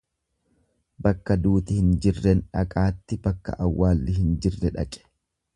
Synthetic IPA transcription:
bɐkːɐd̪uːt̪ɪhɪnd͡ʒɪrːɛnᶑɐ̰kʼaːt̪ːɪbɐkːɐ̰ʔɐwːaːlːɪɦɪnd͡ʒɪrːɛᶑɐ̰kʼɛ̥

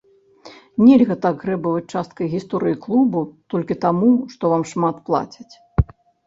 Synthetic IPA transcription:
nʲɛlʲɣɐt̪aɡɣɾɛbɐvɐt͡sʲt͡ʂast̪̚kɐjɣʲist̪ɔɾɨjiklˠubut̪ɔlʲkʲit̪amuʂt̪ɔvamʂmat̪plˠa̰t͡sʲɐt͡sʲ

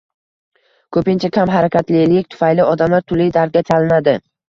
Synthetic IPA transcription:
kʰɵpɪnt͡ʃʰakʲʰamɦaɾakʲʰat̪lɪlɪkʲt̪ʰʊ̥fajlɪɒd̪amlaɾt̪ʰʊlɪjd̪aɾd̪̚ɡʲat͡ʃʰalɪnad̪ɪ

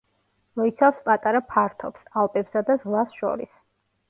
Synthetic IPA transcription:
mɔit̪sʰafspʼat̪ʼaɾapʰaɾt̪ʰɔpsalˠpʼɛbsad̪azʁlˠasʃɔ̰ɾis

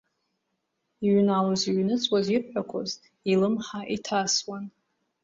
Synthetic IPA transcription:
iɥnawaziɥnɨt͡sʼwazirħʷᶣakʷʰo̰z | ilɨmħaʔitʰaswan

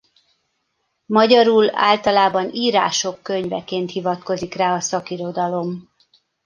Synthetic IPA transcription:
mɒɟɒɾuːla̰ːlt̪ɒlaːbɒniːɾa̰ːʃo̞kːøɲvɛ̰keːnt̪hivɒt̪ko̞zikraːɒsɒkiɾod̪ɒlo̞m

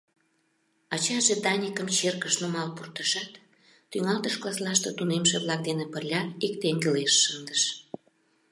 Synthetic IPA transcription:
ɑt͡ɕɑʒed̪ɑnʲikəmt͡ɕerkəʃnumɑlpurt̪əʃɑt̪ː | yŋɑlt̪əʃklɑslɑʃt̪ot̪unemʃeβlɑk̚d̪enepəlʲɑik̚t̪eŋɡeleʃːənd̪əʃ

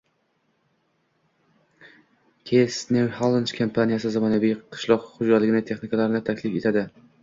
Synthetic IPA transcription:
kʲʰesnewhalˠɪnt͡ʃkʰampʰanijasɪzamanavijqʰɨ̥ʃlˠɒqχʊd͡ʒalɪɡʲɪnɪt̪ʰe̞χnɪkʰalaɾɪnɪt̪ʰakʲlɪfe̞t̪ʰad̪ɪ

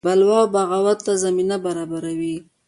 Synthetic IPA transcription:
balwɑwbaɣawat̪t̪azaminabaɾɑbaɾawi

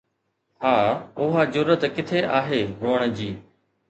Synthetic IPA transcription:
haːʊɦazʊɾət̪kɪt̪ʰeʔaːɦeːɦoːəɽ̃d͡ʑiː

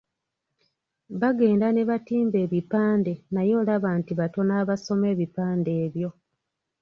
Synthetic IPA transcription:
βaɡe̞ːndane̞βatiːmbe̞ːβipaːnde̞najo̞ːlaβaːntiβato̞naːβaso̞me̞ːβipaːnde̞ːβjo̞

